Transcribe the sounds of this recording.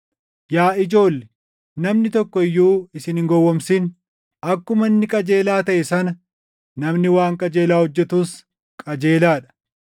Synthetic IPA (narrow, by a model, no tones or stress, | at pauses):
jaːɪd͡ʒo̞ːlːɛ | nɐmnɪt̪ɔkːɔɪjːuːɪsɪnɪŋɡɔwːɔmsɪn | ɐkːʊmɐnːɪkʼɐd͡ʒe̞ːlaːt̪ɐʔɛsɐnɐ | nɐmnɪwaːŋkʼɐd͡ʒe̞ːlaːhɔd͡ʒːɛt̪ʊs | kʼɐd͡ʒeːlaːᶑɐ̥